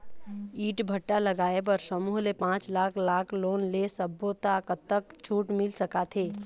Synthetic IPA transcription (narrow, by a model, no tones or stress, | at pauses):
iːʈbʱəʈːaləɡaːep̬əɾsəmuːɦlepãːt͡ʃlaːkʰlaːkʰloːnlesəbːot̪akət̪ːəkt͡ʃʰuːʈmɪlsəkat̪ʰeː